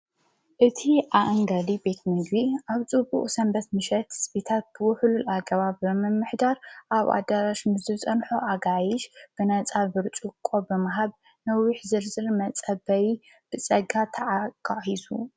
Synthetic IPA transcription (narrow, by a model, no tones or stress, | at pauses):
ʔɨt̪ʰiʔaʔŋɡɐlibe̞t̪mɨɡbiʔaβt͡sʼɨbṵʔʼsɐmbɐt̪mɨʃɐt̪hɨ̥sbet̪ʰat̪̚b̥ɨwʊħlulaɡɐβaβɨmɨmːɨħd̪aɾʔaβa̰d̪aɾaʃmɨzɨt͡sʼɐnħoʔaɡajɪʃb̥ɨnɐt͡sʼalbɨɾt͡ʃʼukʼːo̞bɨmaɦaβ | nɐwiħzɨɾzɨɾmɐt͡sʼɐbɐji | b̥ɨt͡sʼɐɡat̪ʰɐʕakʰʼahisṵ